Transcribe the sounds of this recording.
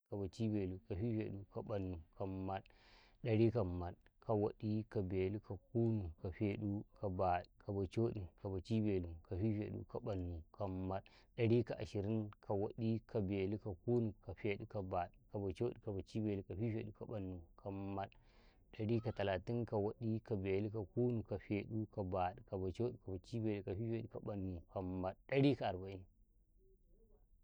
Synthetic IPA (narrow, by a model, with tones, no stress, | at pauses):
ka˨ba˨t͡ʃi˦be˨lu˨ka˨ɸi˦ɸḛ˨ɗu˦ka˨ɓa˨nːu˨kʰa˨mːa˦ɗ | ɗa˨ɾi˦ka˨mːa˨ɗka˨wa˦ɗi˦ka˨be˨li˦ka˨ku˦nu˨ka˨ɸe˨ɗu˦ka˨ba˨ɗkʰa˨ba˨t͡ʃo˦ɗi˨ka˨ba˨t͡ʃi˦be˨lu˨ka˨ɸi˦ɸḛ˨ɗṵ˦ka˨ba˨nːu˨ka˨mma˦ɗ | ɗɐ˨ɽi˦ka˨ʔa˨ʃi˨ɾi˦nka˨wa˨ɗi˦kʰa˨be˨li˦ka˨ku˦nu˨ka˨fe˨ɗu˦ka˨ba˨ɗka˨ba˨t͡ʃo˦ɗi˨ka˨ba˨t͡ʃi˦be˨li˨ka˨ɸi˦fḛ˨ɗu˦ka˨ɓa˨nːu˨kʰa˨mːa˦ɗ | ɗa˨ɽi˦ka˨ta˨la˨ti˦nka˨wo˦ɗi˦ka˨be˨li˦ka˨ku˦nu˨ka˨ɸe˨ɗu˦ka˨ba˨ɗka˨ba˨t͡ʃo˦ɗi˨ka˨ba˨t͡ʃi˦be˨lu˨ka˨ɸi˦fe˨ɗu˦ka˨ɓa˨nːu˨ka˨mːa˦ɗɗa˦ɽi˦ka˨a˨ɾba˨i˦n